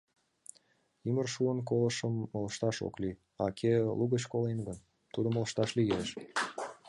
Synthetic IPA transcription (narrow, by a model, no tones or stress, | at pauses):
imərʃuənk̬oləʃəmːələʃt̪ɑʃo̰kly | ɑkʰeluɣət͡ɕkolenɡən | t̪ud̪ə̆mələʃt̪ɑʃliɣeʃ